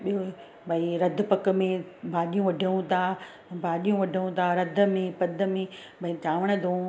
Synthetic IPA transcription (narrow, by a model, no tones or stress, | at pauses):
ɓio | bʱɐiɾɐd̪̆ʱpɐk̆mẽbʱaːɗijũʋɐɖʱũt̪ʰaː | bʱaːɗijũʋɐɖʱiũt̪ʰaɾɐd̪ʱə̆mẽpɐd̪ʱə̆mẽ | bʱɐit͡ɕaːʋəɽ̃ə̆d̪ʱoũ